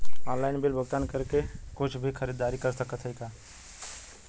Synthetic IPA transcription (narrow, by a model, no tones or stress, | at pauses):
ɔ̃ːnlaːɪnbɪlbʱəɡ̚t̪aːnkɐɾkekʊt͡ʃʰbʱixʰɐɾiːd̪aːɾikɐɾsəkət̪ɦəikaː